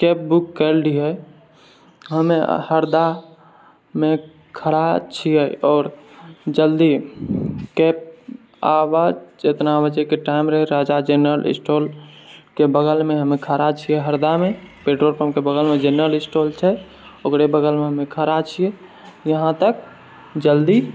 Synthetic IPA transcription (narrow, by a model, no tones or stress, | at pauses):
keːp̚bukːəlɖiɦɛ | ɦəmehəɾd̪a | mẽ | kʰəɾat͡ʃʰijɛɔːɾd͡ʒəld̪i | keːp̚ | a̰ʋad͡ʒd͡ʒet̪nabəd͡ʒɛkeʈaɪmɾəɦɛɾad͡ʒad͡ʒenɾəlʔɪ̰sʈoːlkebəɡəlmẽɦəmekʰəɾat͡ʃʰijɛɦəɾd̪amẽpeɖɾoːɾpəmkebəɡəlmẽd͡ʒenɾəlɪsʈoːlt͡ʃʰɛ | okɾebəɡəlmẽɦəmekʰəɾat͡ʃʰie | jəɦãt̪ək̚ | d͡ʒəld̪i